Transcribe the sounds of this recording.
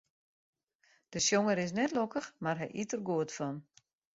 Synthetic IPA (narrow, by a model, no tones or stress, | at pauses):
d̥əsjoŋəɾɪs̬nɛtlokəxmarɦɛ̰jʔitərɡuətfɔn